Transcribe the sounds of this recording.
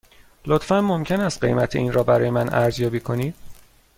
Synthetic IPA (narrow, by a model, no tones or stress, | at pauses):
lot̪fænmo̞mcʰe̞næst̪̚ɢe̞̰jmæt̪ʰeʔiːnɾɒːbæɾɒːjemænʔæɾzjɒːbiːkʰo̞niːd̪̥